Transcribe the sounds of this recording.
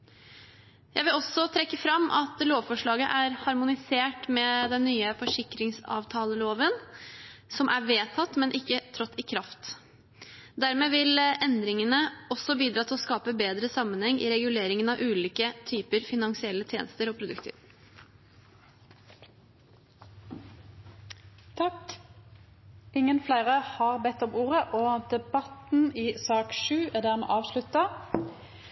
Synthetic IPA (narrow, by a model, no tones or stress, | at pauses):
jæɪʋɪlɔsɔt̪ʰɾɛkːəfɾɑmːʔɑt̪loːʋfɔʂɭɑːɡə̰ʔæɾhɑɾmʊnɪseːʈmɛd̪ɛnːyːəfɔʂɪkɾɪŋsɑ̰ːʋt̪ʰɑːləloːʋən | sɔmʔæʋeːt̪ʰɑt̪ːmɛnʔɪkːət̪ʰɾɔt̪ːɪkʰɾɑft̪ | d̪æɾmeːʋɪlɛnd̪ɾɪŋənəɔsɔbiːd̪ɾɑːt̪ʰɪlɔskɑːpəbeːd̪ɾəsɑmənhɛŋːʔɪ̰ɾɛɡʉleːɾɪŋənɑʋʔʉːliːkət̪ʰyːpəɾfɪnɑŋsɪɛlːət̪ʰjḛːnəst̪əɾoːpʰɾʊd̪ʉ̰kt̪ʰḭ | t̪ʰɑk | ɪŋːənflæɪʁəhɑːʁbɛt̪ːɔmuːʁəʔoːd̪ɛbɑt̪n̩iːsɑːkʃʉːæʁd̪æːʁmḛːʔɑːʋʃlʉt̪ːɑ